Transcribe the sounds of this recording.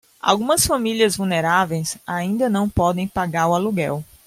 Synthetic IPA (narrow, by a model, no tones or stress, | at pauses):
a̰wɡũmɐsfãmiliɐzvuneɾavejsaĩnd̪ɐnɐ̃w̃pɔd̪ẽj̃paɡaɾualuɡɛ̰w